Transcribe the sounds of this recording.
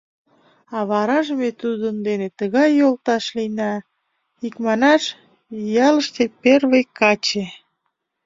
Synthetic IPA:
ɑβɑɾɑʒəmet̪ud̪ənd̪enet̪əɣɑjːolt̪ɑʃlinɑ | ikmɑnɑʃ | jɑləʃt̪eperβejkːɑt͡ɕe

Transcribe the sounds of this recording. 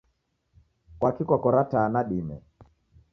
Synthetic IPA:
kwakikwakɔɾataːnaɗimɛ̰

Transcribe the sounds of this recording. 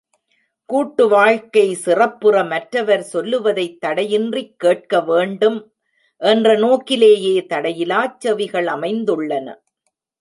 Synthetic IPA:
kuːʈːɯʋaːɻkɐɪsɪrɐpːɯrɐmɐʈɾɐʋɐɾsɔlːɯʋɐðɐɪt̪ːɐɽɐjɪndrɪkːeːʈ̚kɐʋeːɳɖɯm | ʔɛndrɐnoːkɪleːjeːt̪ɐɽɐjɪlaːt͡ʃːɐʋɪɣɐɭɐmɐɪnd̪ɯɭːɐnɐ̰

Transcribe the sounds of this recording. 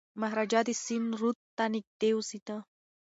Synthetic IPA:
maɦɾad͡ʒad̪isinɾut̪t̪ːanik̚d̪ewsit̪a

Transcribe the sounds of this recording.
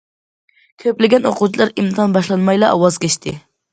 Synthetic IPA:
kʲʰøplɪɡʲɛnoqut͡ʃʰilˠɑɾimt̪ʰɑnbɑʃlˠɑnmɑjlˠɑːwɑzkʲɛʃt̪ʰɪ

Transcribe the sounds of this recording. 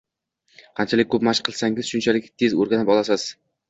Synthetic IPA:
qʰɑnt͡ʃʰalɪk̚ʲkʰːɵpmaʃqʰɨlˠsaŋɪz̥ʃʊnt͡ʃʰalɪkʲt̪ʰezoɾɡʲanɪpɒlˠasɪz̥

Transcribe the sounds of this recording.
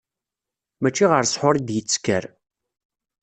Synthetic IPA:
mæt͡ʃːiʁəɾsħʊɾid̪jət͡sːkəɾ

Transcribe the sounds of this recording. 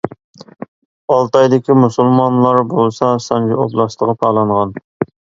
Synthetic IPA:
ɑlˠt̪ɑjd̪ɪkʲimusulˠmɑnlˠɑɾbolˠsɑsɑnd͡ʒioblˠɑst̪ˠəʁɑpʰɑːlˠɑɴʁɑn

